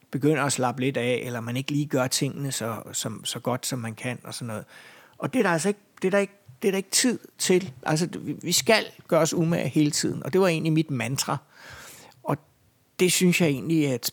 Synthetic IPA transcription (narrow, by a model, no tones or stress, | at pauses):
b̥e̝ɡ̥øn̰ɐæslɑ̈b̥le̝d̥æelɐmæne̝ɡ̥liːɡ̥ɶɐt͡sʰe̝ŋ̰ənəsɒ̽sɒ̽msɒ̽ɡ̥ɒ̽d̥sɒ̽mːænkʰæn̰ɒ̽sɒ̽nːɔ̽ːð̞̩ˠ | ʔɒ̽d̥e̝æɾɑæls̬ɒe̝ɡ̥̚d̥e̝ɾɑ̈e̝ɡ̥̚d̥e̝d̥ɑ̈e̝ɡ̥ət͡sʰið̰ˠt͡sʰe̝lʔælsəiʋisɡ̥æl̰ɡ̥ɶːɐɒ̽sumæhe̝ːlət͡sʰið̞̰ˠn̩ɒ̽d̥e̝ʋɑ̈e̝̰ːnlimid̥mænd̥ʰʁɑ | ɒ̽ | d̥e̝synsjɑ̈ɪe̝̰ːnliæd̥